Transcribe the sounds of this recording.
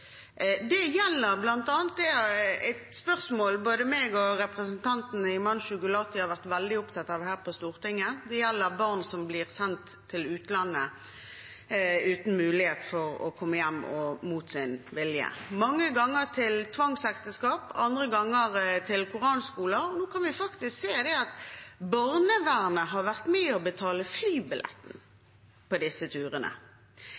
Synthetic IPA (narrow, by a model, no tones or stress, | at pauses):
d̪ɛjɛlːəʁblɑnt̪ɑːnt̪̚d̪ɛɛɪt̪spœʁsmoːlboːd̪əmeːɡɔʁɛpʁəsənt̪ʰɑnt̪n̩ɪmɑnʃʉɡʊlɑːt̪ɪhɑɾʁʋæʁt̪ʋɛld̪ɪʊpt̪ʰɑt̪ːɑːʋhæːʁpʰɔst̪uːʁt̪ɪŋːəd̪ɛjɛlːəʁbɑʁnsɔmblɪʁsɛnt̪ʰːɪlʉːt̪lɑnːə | ʉːt̪n̩mʉːlɪheːt̪fɔʁɔ̰kʰɔmːəjɛmːɔmuːt̪sɪnʋɪljə̰mɑŋːəɡɑŋːət̪ʰɪlt̪ʰʋɑŋsɛkt̪əskɑːpɑnd̪ʁəɡɑŋːəʁt̪ʰɪlkʰʊʁɑːnskuːləɔnoːkʰɑnʋɪfɑkt̪ɪskseːd̪ɛɑt̪bɑʁnəʋæːʁnəɦɑʋæʁt̪mɛːɔbət̪ʰɑːləflyːbɪlʔɛ̰t̪n̩ | pɔd̪ɪsːət̪ʰʉːʁənə̰